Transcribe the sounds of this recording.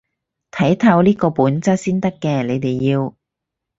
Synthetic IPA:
t̪ʰɐ˨˥jt̪ʰɐ˧wliː˥kɔː˧puː˨˥nt͡sɐ˥t̚siː˥nt̪ɐ˥kːɛː˧le˨˧jt̪e˨jːiː˧w

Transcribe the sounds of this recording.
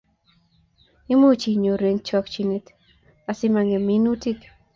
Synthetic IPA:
ɪ˦mo˦t͡ʃi˨ɲo˨ɾe˨ŋt͡ʃɔ˧kt͡ʃi˨ne˨t̪ | a˨sɪ˦ma˧ŋe˨mi˦nu˦ti˦k

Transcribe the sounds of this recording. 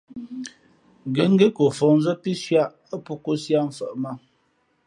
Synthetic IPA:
ɡe˨˦ŋ̩˦ɡe˦ko˨fɔ˨n̩˦zə˦ti˦ʃja˦˨ʔ | ə˦pu˦ko˦sja˦m̩˨fə˨ʔma˦

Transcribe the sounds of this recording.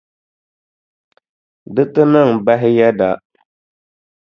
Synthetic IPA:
dɨ˦tɨ˦nɨ˦˨ŋba˦ɦɪ˦jɛ˦da˨

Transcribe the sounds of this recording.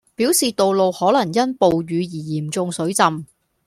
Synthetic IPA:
piː˨˥wsiː˨t̪o˨wlo˨whɔː˨˥lɐ˨˩ŋjɐ˥npo˨wɥyː˨˧jiː˨˩jiː˨˩mt͡sʊ˧ŋsɵ˨˥ɥt͡sɐ˨m

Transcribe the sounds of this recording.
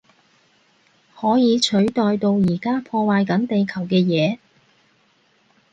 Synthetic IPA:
hɔː˨˥jiː˨˧t͡ʃʰɵ˨˥ɥt̪ɔː˨jt̪o˧wjiː˨˩kaː˥pʰɔː˧waː˨˧jkɐ˨˥nt̪e˨jkʰɐ˨˩wkɛː˧jɛː˨˧

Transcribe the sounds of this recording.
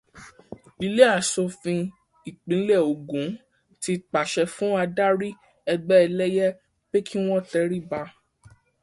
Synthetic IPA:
i˨˧le˦a˦˨so˧fĩ˧ | i˨k͡pĩ˨˦lɛ˦˨o˨ɡũ˨˦ | ti˧k͡pa˨ʃɛ˧fũ˨˦a˧da˦ɾi˦ | ɛ˧ɡ͡bɛ˦ɛ˧lɛ˦jɛ˦ | b̥e˦kʰi˦w̃ɔ̃˦tɛ˨˦ɾi˦˨ba˧

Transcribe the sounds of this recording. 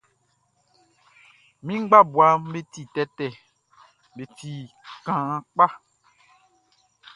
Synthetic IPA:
mĩ˦ŋ͡mɡ͡ba˦bwa˨˦m˦be˦ti˦˨tɛ˦tɛ˨ | be˨ti˦˨kã˨˦k͡pa˦

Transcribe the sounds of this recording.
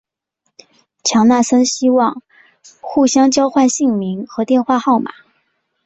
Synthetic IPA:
t͡ɕʰjɑ˧˥ŋna˥˩sə˥nɕi˥wɑ˥˧ŋ | xu˥˩ɕjɑ˥ŋt͡ɕjɑ˥ʊxwa˥˧nɕi˥˩ŋmi˧˥ŋxɤ˧˥t̪jɛ˥˧nxwa˥˧xɑ˥˩ʊma̰˨˩˦

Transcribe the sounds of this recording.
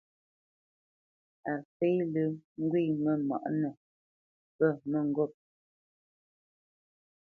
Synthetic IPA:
a˨fe˦lɨ˦ŋ̩˦ɡwi˦˨mə˨ma̰˨ʔnə˨ | pə˦˨mə˦˨ŋ̩˨ɡɔ˦˨p̚

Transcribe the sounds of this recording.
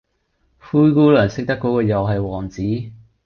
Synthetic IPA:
fuː˥jkuː˥lœː˨˩nsɪ˥k̚t̪ɐ˥kːo˨˥kɔː˧jɐ˨wɦɐ˨jwɔː˨˩ŋt͡siː˨˥

